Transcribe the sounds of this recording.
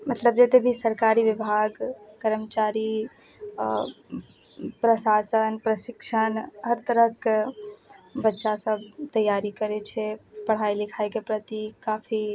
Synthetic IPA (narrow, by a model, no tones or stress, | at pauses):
mət̪ləb̚d͡ʒet̪ebʱisəɾkaɾiʋibʱaɡkəɾəmt͡ʃaɾi | pɾəsasənpɾəsikʃʰənɦəɾt̪əɾək | bətːʃasəbt̪əjaɾikəɾɛt͡ʃʰɛpəɽ̤ajlikʰajkepɾət̪ikapʰi